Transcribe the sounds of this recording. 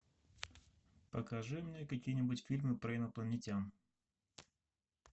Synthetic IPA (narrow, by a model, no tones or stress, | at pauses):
pəkɐʐɨmnʲekɐkʲijənʲɪbutʲfʲilʲmɨpɾɐɪnəplˠənʲɪtʲam